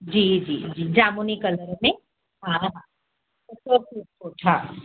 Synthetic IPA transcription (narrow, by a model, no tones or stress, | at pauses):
d͡ʒiːd͡ʒḭːd͡ʒiːd͡ʒaːmunikələɾmẽ | ɦãɦã | ʊsokuːb̚sʰoːʈʰa